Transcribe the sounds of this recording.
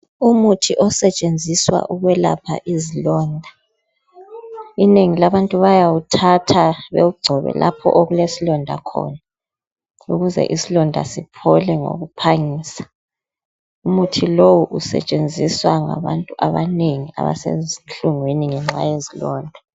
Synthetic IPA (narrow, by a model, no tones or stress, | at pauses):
umutʰiʔɔsɛt͡ʃʼend͡zʱiswa̰ʔuɣwɛla̰pʰa̰ʔizilɔːndʱa | ineŋilaβantʼuβajawutʰatʰaβewuɡ͡ǀʱɔβɛ̰lʔa̰pʰɔ̰ʔoɣulesilɔndʱa̰kʰɔ̰na | uɣuzɛ̰ʔisilɔndʱa̰sipʰɔlɛŋo̰ɣupʰaŋiːsḁ | umutʰilowuʔusɛ̰t͡ʃʼend͡zʱiswaŋa̰βantʼuʔaβaneŋia̰βa̰sḛinɬuŋweniŋɛŋ͡ǁa̰jezilɔːndʱa